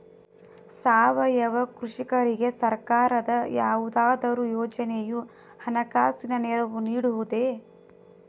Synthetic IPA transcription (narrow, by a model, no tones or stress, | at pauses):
saːʋɐjɐʋɐkɾuʂikɐɾiɡe̞sɐɾkaːɾɐd̪ɐjaːʋud̪aːd̪ɐɾujɔːd͡ʒɐneju | hɐnɐkaːsinɐnɛɾɐʋuniːɽuʋud̪e